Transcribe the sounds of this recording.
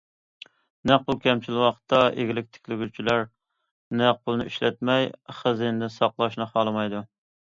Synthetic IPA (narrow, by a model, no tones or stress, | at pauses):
næq̚pʊlˠkʲɛmt͡ʃʰilwɑqt̪ʰːɑʔḛɡʲilɪk̚ʲt̪ʰɪ̥kʲlɪɡʲyt͡ʃʰilæɾ | nɛq̚pʰʊlˠnɨ̰iʃlɛt̪̚mɛjχəzind̪ɪsɑqlˠɑʃnɨχɑlˠɨmɑjd̪u